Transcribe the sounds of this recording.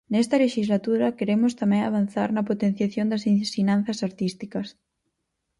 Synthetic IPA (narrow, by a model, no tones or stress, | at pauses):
nɛst̪ɐleʃizlat̪uɾɐkeɾemʊst̪amɛ̃ŋaβ̞an̟θa̰ɾnɐpot̪en̟θjaθjond̪ɐsinsinãn̟θɐsaɾt̪ist̪ikɐs